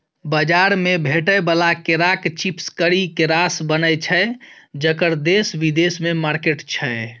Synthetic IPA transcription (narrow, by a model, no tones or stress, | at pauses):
bəd͡ʒaɾmebʱeʈəjbəlakeɾakt͡ʃipskəɾikeɾasbənəjt͡ʃʰəd͡ʒəkəɾd̪esbid̪esmemaɾkeʈt͡ʃʰəe